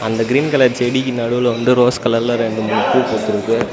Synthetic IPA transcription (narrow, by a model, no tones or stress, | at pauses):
ɐnd̪ɐɡɪɾiːnkɐlɐɾd͡ʒɛɽikːinɐɽɯʋɪlɐʋɐnd̪ɯɾoːskɐlɐɾlɐɾɛɳɖɯmʊɪkːɯpoːt̪ːɯɾɯkːɯ